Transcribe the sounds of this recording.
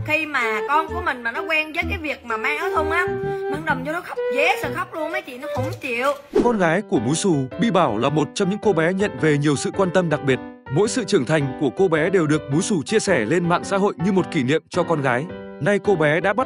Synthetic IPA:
xi˧maː˨˩kɔ˧nku˧˩əmï˨˩ŋ̟maː˨˩nɔ˨˦kwɛ˧nzə̰˧˥jkaː˨˦jvi˨˩ək̚maː˨˩maː˧ŋʔɔ˨˦jt̪ʰə˧wŋ͡mʔa˨˧˦mɲɨ˧ŋɗə˨˩wŋ͡mɨ˧nɔ˨˦xə˦˥wk͡p̚ze˨˦sɨ̰ː˧˨xə˦˥wk͡p̚lu˧ənmə˨˦jt̪ʰi˨˩nɔ˨˦kʊ̰˧˦wŋ͡mt͡ɕi˧˨˩əwkɔ˧nɣaː˨˦jku˧˩əmu˨˦jsu˨˩ɓḭ˧˨ɓaː˧˩wlaː˨˩mo˨˩t̚t͡ɕɔ˧wŋ͡mɲɨ̰˧˥ŋko˧ɓɛ˨˦ɲə̰˧˨nve˨˩ɲi˨˩əwsɨ̰˧˨kwaː˧nt̪ə˧mɗa˨˩k̚ɓi˨˩ət̚mo̰˧˥jsɨ̰˧˨t͡ɕɨ˧˩əŋt̪ʰa˨˩jŋ̟ku˧˩əko˧ɓɛ˨˦ɗe˨˩wɗɨ˨˩ək̚mu˨˦jsu˨˩t͡ɕi˧əsɛ˧˩le˧nma̰ː˧˨ŋsa̰ː˧˥ɦo̰˧˨jɲɨ˧mo˨˩t̚ki˧˩nḭ˧˨əmt͡ɕɔ˧kɔ˧nɣaː˨˦jna˧jko˧ɓɛ˨˦ɗa̰ː˧˥ɓa˦˥t̚

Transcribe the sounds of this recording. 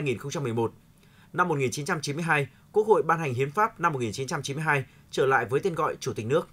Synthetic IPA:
a˧jŋi˨˩nxə˧wŋ͡mt͡ɕa˧mː˨˩əjmo˨˩t̚ | na˧mː˨˩t̚ŋi˨˩nt͡ɕi˨˦nt͡ɕa˧mt͡ɕi˨˦mɨ˧əjɦaː˧j | ku˦˥ək̚ho̰˧˨jɓaː˧nha˨˩jŋ̟ɦi˨˦ənfaː˦˥p̚na˧mːo˨˩t̚ŋi˨˩nt͡ɕi˨˦nt͡ɕa˧mt͡ɕi˨˦nm˧ɦaː˧j | t͡ɕəː˧˩la̰ː˧˨jvəː˨˦jt̪e˧nɣɔ̰˧˨jt͡ɕu˧˩ï˨˩k̟̚nɨ˦˥ək̚

